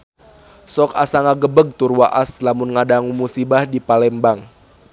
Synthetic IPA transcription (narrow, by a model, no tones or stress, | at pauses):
sɔka̰saŋaɡəbəɡ̚t̪urwaʔaslamʊnŋadaŋumusibahdipalɛmbaŋ